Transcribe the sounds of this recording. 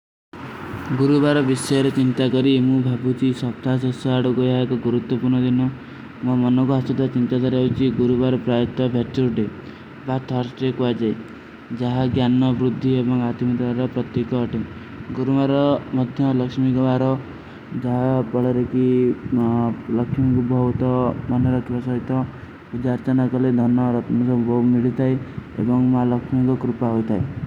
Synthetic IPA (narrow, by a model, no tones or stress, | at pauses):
ɡuɾubaɾɔbisɔjɔɾet͡ʃint̪akɔɾimũbʱabut͡ʃʰisɔp̚t̪ʰasɔsɔaɽuɡojakɔɡuɾut̪wɔpuɾɳɔd̪inɔ | mmɔnɔkuɦasɔd̪ɔt͡ʃint̪at̪aɾeut͡ʃʰiɡuɾubaɾɔpɾajɔt̪ːɔbʱet͡ʃuɾɖe | bat̪ʰɔɾsʈekuad͡ʒaj | d͡ʒaɦaɡjanɔbɾud̪ʱːiebɔŋat̪imɔɾbaɾɔpɾɔt̪jekɔːʈi | ɡuɾumaɾɔmɔd̪ʱjɔlɔkʃmikɔbaɾɔ | d͡ʒaɦabɔɭɔɾeki | lɔkʰmikubʱɔut̪ɔmɔnɔɾɔkʰibasɔɦit̪ɔ | bud͡ʒaɾt͡ʃanakɔled̪ʱɔnɔɾɔt̪mɔsɔbʱɔmiɭit̪ʰajḛbɔŋmalɔkʃmikɔkɾupaɦojt̪ʰae